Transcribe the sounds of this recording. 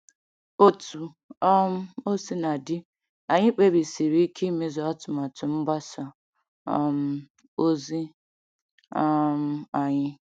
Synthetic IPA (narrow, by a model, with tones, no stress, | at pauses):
o˦tu˨ | ɔ˦m̩˦o˦si˦na˨dɪ˦ | a˨ɲɪ˦k͡pe˦bi˨si˨ɾi˦kʰi˦me˦zɔ˨a˦tʊ˨ma˨tʊ˨m̩˦ɡ͡ba˦sa˨ | ɔ˨m̩˨ | o˦zi˦ | a˦m̩˦˨a˨ɲɪ˦